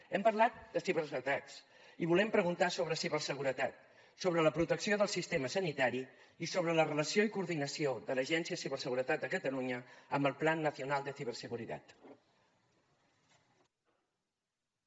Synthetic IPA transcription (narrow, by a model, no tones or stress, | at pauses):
ɛmpərlat̪̚d̪əsiβərzət̪aks | iβulɛmpɾəɣunt̪asoβɾəsiβərsəɣ̞uɾət̪at̪ | soβ̞ɾələpɾut̪əksioðəlˠsist̪eməsənit̪aɾi | isoβ̞ɾələrələsioikuɾðinəsioðələʒɛnsiəsiβərsəɣuɾət̪at̪̚d̪əkət̪əluɲəəmbəlˠplanːəθiunalˠd̪əθiβərsəɣuɾit̪a̰t̪